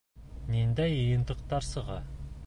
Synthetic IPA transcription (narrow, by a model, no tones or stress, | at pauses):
nend̪æjəjənt̪əqt̪ɑɾsəʁɑ